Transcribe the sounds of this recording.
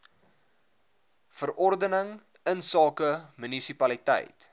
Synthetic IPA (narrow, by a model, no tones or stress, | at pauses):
fəɾʔɔrdənəŋ | ənsɑːkəmynisipɐlitɛ̰jt